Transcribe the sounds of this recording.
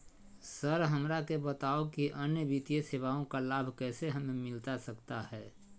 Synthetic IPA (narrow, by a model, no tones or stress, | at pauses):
səɾɦəmɾakebət̪aːokiʔənjəbit̪ijeseːʋaõkalaːbʱkɛːseɦəmemɪlt̪asəkt̪ahɛː